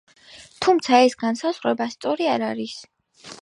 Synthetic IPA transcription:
t̪ʰumt̪sʰaɛsɡansaz̥ʁɾɛbast̪sʼɔɾiaɾaɾis

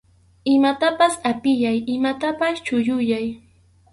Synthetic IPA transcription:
ɪmat̪apasapɪjajɪmat̪apast͡ʃʊjʊjaj

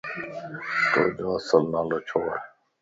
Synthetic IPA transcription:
t̪o̰ːd͡ʒoːɐsəlnaːloːt͡ʃʰoːɾ

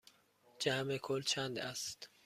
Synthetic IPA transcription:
d͡ʒæmekʰolt͡ʃʰænd̪æst̪

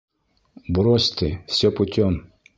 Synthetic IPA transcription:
bɾɔsʲt̪ɪfsʲɔpʊt̪ʲɔm

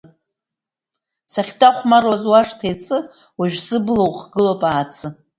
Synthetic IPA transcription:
saχʲdaχʷmarwazwaʂtʰejt͡sʰʼɨ | waʒᶣsɨblowχɡɨlopʼaːt͡sʰɨ

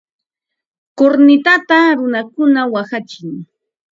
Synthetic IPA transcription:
koɾnɪt̪at̪aɾʊnakʊnawaxat͡ʃɪŋ

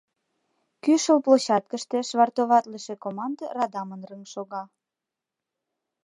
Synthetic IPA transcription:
kyʃəlploɕɑt̪̚kə̆ʃt̪ĕʃβɑrt̪oβɑt̪ləʃĕkomɑnd̪ərɑd̪ɑmənrəŋʃoɣɑ

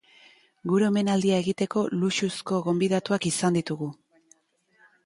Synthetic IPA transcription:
ɡuɾeome̞nald̪iae̞ɣit̪e̞ko̞luʃusko̞ɣo̞mbiðat̪uakisand̪it̪uɣu

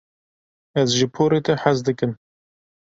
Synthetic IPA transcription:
ɛzʒɨpʰoːɾeːt̪ɛħazd̪ɨkɨm

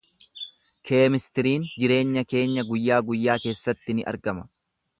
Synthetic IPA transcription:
kʰeːmɪst̪ɪɾiːnd͡ʒɪɾe̞ːɲːɐke̞ːɲːɐɡʊjːaːɡʊjːaːke̞ːsːɐt̪ːɪnɪʔɐ̰ɾɡɐmɐ̥

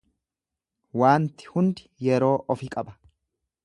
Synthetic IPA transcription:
waːnt̪ɪ̥hʊnd̪ɪ̥jɛɾo̞ːʔɔfɪkʼɐbɐ̥

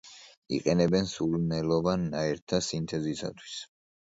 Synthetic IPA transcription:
ḭqʼɛnɛbɛnsulnɛlɔvanːaɛɾt̪ʰasint̪ʰɛzisa̰t̪ʰwi̥s

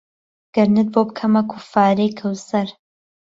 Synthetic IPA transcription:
ɡ̥ɐɾnɨt̪̚bob̚kʰɐmɐkʰufaːɾejkʰɐwsɐɾ

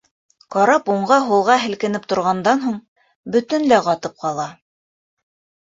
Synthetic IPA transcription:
qɑɾɑpuɴɢɑɦulˠʁɑɦɘ̆lkɘ̆nɘp̚t̪ŏɾʁɑnd̪ɑnɦuɴ | bɵ̆t̪ɘ̆nlæqɑt̪ɤp̚qɑlˠɑ

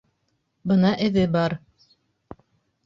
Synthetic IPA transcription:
bɤnɑʔɘ̆ðɘbɑɾ

